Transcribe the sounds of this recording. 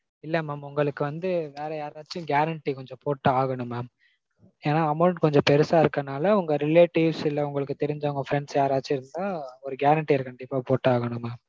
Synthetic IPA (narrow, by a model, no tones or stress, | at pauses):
ɪlːɛmaːmʊŋɡɐɭɯkːɯʋɐnd̪ɯʋeːɾɛjaːɾaːt͡ʃːɯ̃ɡjaːɾɐɳʈːikɔɲd͡ʒɔ̃poːʈːaːɣɐɳɯmɐ | eːnaːɐmɐʊɳʈkɔɲd͡ʒɔ̃pɛɾɯsaːɪɾɯkːɐnaːlɐʊŋɡɐɾɪleːʈːɪʋsɪlːɐʊŋɡɐɭɯkːɯt̪ːɛɾɪɲd͡ʒɐʊŋɡɐfɾɛɳɖsjaːɾaːt͡ʃːɯɪɾɯnd̪ãːɔɾɯɡjaːɾɐɳʈːiɐɾkɐɳɖɪpːaːpoːʈːaːɣɐɳɯmeː